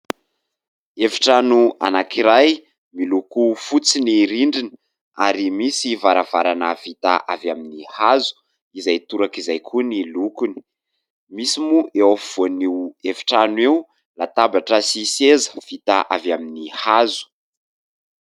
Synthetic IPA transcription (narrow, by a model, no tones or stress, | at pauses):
evi̥ʈ͡ʂanua̰nakiɾaj | milukufut͡siniɾiɳɖ͡ʐini̥ | aɾimisivaɾavaɾanəvit̪a̰ʔavjaminihazu̥ | izajt̪uɾakizajkʰunilukuni̥ | misimuʔewav̥oniwevi̥ʈ͡ʂanwiw | lat̪abaʈ͡ʂəsisezə̥v̥it̪a̰ʔavjaminihazu̥